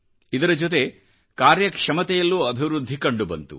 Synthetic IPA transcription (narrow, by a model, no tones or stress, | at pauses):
id̪ɐɾɐd͡ʒot̪̬e̞ | kaːɾjɐkʂɐmɐt̪ɛjɐlːuɐbʱiʋɾud̪ʱːikɐɳɖubɐnt̪ṵ